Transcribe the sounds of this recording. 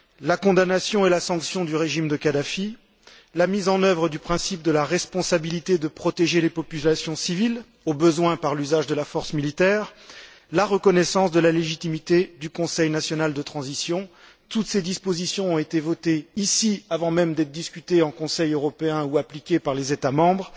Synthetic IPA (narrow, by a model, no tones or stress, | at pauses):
lakɔ̃d̪anasjɔ̃elasɑ̃ksjɔ̃d̪yʁeʒimd̪əkad̪afi | lamizɑ̃nœvʁəd̪ypχɛ̃sip̚d̪əlaʁɛspɔ̃sabilit̪ed̪əpχɔt̪eʒelepɔpylasjɔ̃sivil | obəzwɛ̃paʁlyzaʒd̪əlafɔʁsmilit̪ɛːʁ | laʁəkɔnɛsɑ̃sd̪əlaleʒit̪imit̪ed̪ykɔ̃sɛjnasjɔnald̪ət̪χɑ̃zisjɔ̃ | t̪ut̪sed̪ispozisjɔ̃ɔ̃et̪evɔt̪eisiavɑ̃mɛmd̪ɛt̪d̪iskʲyt̪eɑ̃kɔ̃sɛjøʁɔpeɛ̃uaplikʲepaʁlezet̪amɑ̃bʁ